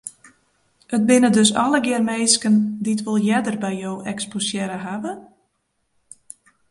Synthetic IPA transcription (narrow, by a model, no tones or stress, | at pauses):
ət̚bɪnədøsɔ̰ləɡɪərmeːjskənditʋɪlˠjɛdərbɛjjowʔɛksposjɛɾəɦaʋə